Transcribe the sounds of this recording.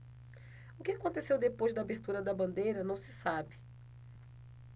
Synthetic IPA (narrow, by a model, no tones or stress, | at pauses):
ʊkɪakõnt̪esewd̪epojzd̪ɐaːbeɾt̪uɾɐd̪ɐbɐ̃nd̪ejɾɐnɐ̃w̃sɪ̥sabɪ